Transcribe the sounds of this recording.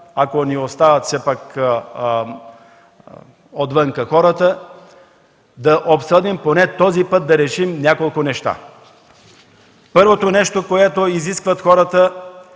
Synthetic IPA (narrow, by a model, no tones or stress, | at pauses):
akoniost̪avət̪sɛpak | od̪vəŋkəxɔɾət̪ə | d̪ɐʔopsɤd̪imponɛt̪ɔzipɤt̪̚d̪ɐɾɛʃimnʲjakolˠkonɛʃt̪a̰ | pɤɾvot̪onɛʃt̪okoɛt̪oiziskvət̪xɔɾət̪ə